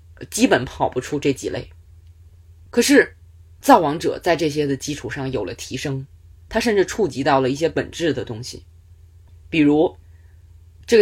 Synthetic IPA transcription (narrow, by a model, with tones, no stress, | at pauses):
t͡ɕi˥pə˨˩˥npʰɑ˨˩ʊpu˧˥ʈ͡ʂʰu˥ʈ͡ʂɤ˥˩t͡ɕḭ˨˩lʔḛ˥˩ɪ | kʰɤ˨˩ʂɻ̩˥˩ | t͡sɑ˥˩ʊwɑ˧˥ŋʈ͡ʂɤ̰˨˩t͡sa˥˧ɪʈ͡ʂɤ˥˩ɕ̬jɛ˥d̪ə˨t͡ɕi˥ʈ͡ʂʰu˨˩ʂɑ˥˩ŋjo˨˩ʊlə̰˦t̪ʰi˧˥ʂɤ˥ŋt̪ʰa˥ʂ̬ə˥˧nʈ͡ʂɻ̩˥˧ʈ͡ʂʰu˥˩t͡ɕi˧˥t̪ɑ˥˩ʊlə˩i˥˩ɕjɛ˥pə˨˩nʈ͡ʂɻ̩˥˩d̪ə˩t̪ʊ˥ŋɕḭ˨˩ | pi˨˩ɻu˧˥ | ʈ͡ʂɤ˥˩ɡ